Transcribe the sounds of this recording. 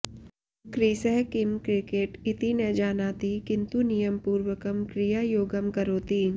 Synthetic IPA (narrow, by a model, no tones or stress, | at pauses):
kɾiːsɛɦkɪmkɾɪkeːʈɪt̪inẽd͡ʒaːnaːt̪ikɪ̃nt̪unijəmpuːɾwəkəmkɾɪjaːjoːɡəmkɐɾoːt̪iː